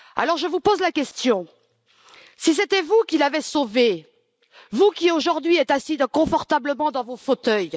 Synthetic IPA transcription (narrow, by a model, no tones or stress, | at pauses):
a̰lɔʁʒəvupozlakʲɛst̪jɔ̃ | sis̬et̪ɛvukʲilavɛsove | vukʲioʒuʁd̪ɥiɛt̪asid̪kɔ̃fɔʁt̪abləmɑ̃d̪ɑ̃vofot̪œj